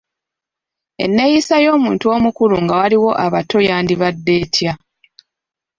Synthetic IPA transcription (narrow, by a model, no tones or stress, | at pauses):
e̞̰nːe̞jisajo̞ːmuːntuo̞ːmukuluŋɡawaliwo̞ʔaβato̞jaːndiβadːe̞ːtʰja